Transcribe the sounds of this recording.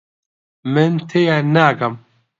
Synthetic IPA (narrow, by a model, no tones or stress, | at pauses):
mɨnt̪ʰejanaːɡɐm